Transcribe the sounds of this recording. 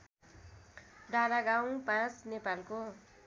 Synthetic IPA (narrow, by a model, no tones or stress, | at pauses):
ɖanaɡaw̃pãt͡snepalko